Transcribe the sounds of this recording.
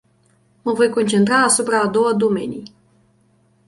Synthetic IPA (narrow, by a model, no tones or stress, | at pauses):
məvo̞jko̞nt͡ʃe̞nt̪ɾaːsupɾaːd̪o̞wəd̪o̞me̞̰nij